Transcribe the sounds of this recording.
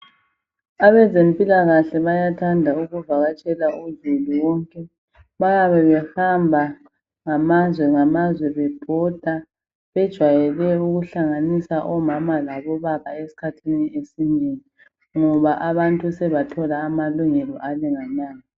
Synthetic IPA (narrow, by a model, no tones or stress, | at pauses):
aβɛzempʼilaɣaɬɛβajatʰandʱauɣuvaɣat͡ʃʼɛlaʔuzuluwɔŋkʼɛ | βaɣaβɛβɛhambʱa | ŋamazwɛŋamazwɛβɛb̥ʱɔd̥ʱa | βɛd̥ʒ̥ʱwajɛlɛuɣuɬaŋanisaʔɔmamalaβɔβaβaesi̥kʰatʰiniesineŋi | ŋɔβaʔaβantʼusɛβatʰɔlaːmaluŋɛlɔʔaliŋanaːŋi